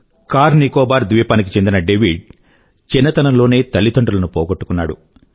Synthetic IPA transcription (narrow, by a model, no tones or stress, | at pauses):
kaːɾnikɔːbaːɾd̪ʋiɐpaːnik̬it͡ʃe̞nd̪inɐɖeʋiɖ | t͡ʃinːɐt̪ɐnɐmloːne̞ːt̪ɐlːit̪oɳɖɐlɐnupɔːɡoʈːu̥kunːa̰ːɽṵ